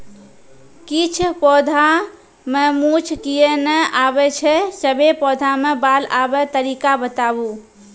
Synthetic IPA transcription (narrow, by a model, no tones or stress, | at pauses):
kit͡ʃʰpɔd̪ʱa | memut͡ʃʰkijenɛabɛt͡ʃʰɛsəbʱepɔd̪ʱamebalabɛt̪əɾikabət̪abu